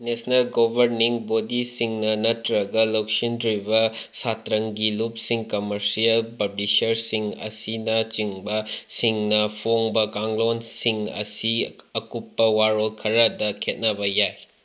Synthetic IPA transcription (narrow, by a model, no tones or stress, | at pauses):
nesnelɡobʱɐɾniŋbodisiŋnɐnɐtɾɐɡɐlok̚sindɾibɐsatɾɐŋɡilup̚siŋkɐmɐɾsijɐlpɐblisɐɾsiŋɐ̰sinɐt͡ʃiŋbɐsiŋnɐpʰoŋbɐkaŋlonsiŋɐ̰siɐkupːɐwaɾolkʰɐɾɐdɐkʰet̚nɐbɐjaj